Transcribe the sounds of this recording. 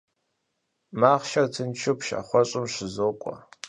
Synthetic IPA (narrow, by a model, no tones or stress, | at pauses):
maːʁʃɐrtʰɨnt͡ʃʰʊpʃa̰χʷɔɕʼɪmʂɪzoːkʷʼɔ̰